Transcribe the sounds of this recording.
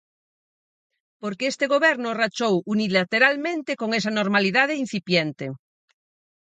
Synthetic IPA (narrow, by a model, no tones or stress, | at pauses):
poɾkeest̪eɣoβɛɾnorat͡ʃowunilat̪eɾalmẽnt̪ekoŋes̬anoɾmaliðað̞ein̟θipjent̪e